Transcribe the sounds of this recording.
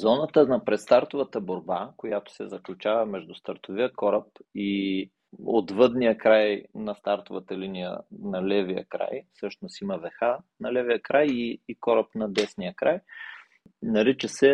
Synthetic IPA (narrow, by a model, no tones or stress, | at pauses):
zɔnət̪ənɐpɾɛt̪st̪aɾt̪ʊvət̪əboɾbakojat̪o̥sɛ̰zɐklʲut͡ʃavəmɛʒd̪ʊst̪əɾt̪oviəkɔɾəp̚i | o̰t̪vɤd̪nijəkɾajnɐst̪aɾt̪ovət̪əlinijə̰nɐlɛvijə̰kɾa̰jfsɤʃnosiməvɛxanɐlɛvijəkɾajiːkɔɾəpnɐd̪ɛsnijəkɾaj | nɐɾit͡ʃəsɛ